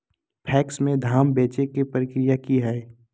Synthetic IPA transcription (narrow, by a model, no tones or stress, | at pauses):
pʰɛːksmẽd̪ʱaːmbeːt͡ʃekepəɾɪkɾɪjakiɦɛː